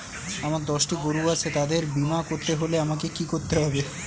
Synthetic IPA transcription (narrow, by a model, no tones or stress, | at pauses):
amaɾd̪ɔʃʈiɡoɾuat͡ɕʰet̪ad̪eɾbimakoɾt̪eɦoleamakekikoɾt̪eɦɔbe